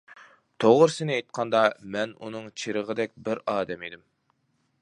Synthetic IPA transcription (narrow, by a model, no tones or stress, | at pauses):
t̪ʰoʁʊɾsɪnɪejt̪̚qʰɑnd̪ɑmɛnṵnɨŋt͡ʃʰiɾəʁəd̪ɛk̚ʲbɪɾɑːd̪ɛmed̪ɪm